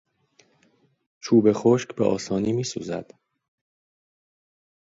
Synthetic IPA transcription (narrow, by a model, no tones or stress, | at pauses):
t͡ʃʰuːbe̞xoʃcbeʔɒ̰ːsɒːniːmiːsṵːzæ̰d̪̥